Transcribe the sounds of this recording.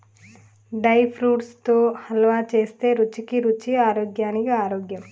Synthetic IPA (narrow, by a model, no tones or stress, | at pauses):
ɖɐjpʰɾuːʈst̪oːhɐlɐʋaːt͡ʃe̞ːst̪e̞ːɾut͡ʃikiɾut͡ʃːiaːɾoːɡjaːnikiaːɾoːɡjɐm